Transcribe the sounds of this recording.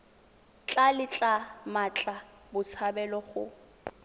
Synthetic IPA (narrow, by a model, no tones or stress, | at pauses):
t͡ɬʼalɪt͡ɬʼamat͡ɬʼa | bʊt͡sʰabɛlɔχʊ̰